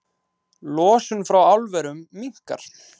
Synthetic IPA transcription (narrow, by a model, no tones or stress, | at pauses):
lɔːsʏnfɾawawlvɛɾʏmːiŋ̥ka̰ɾ̥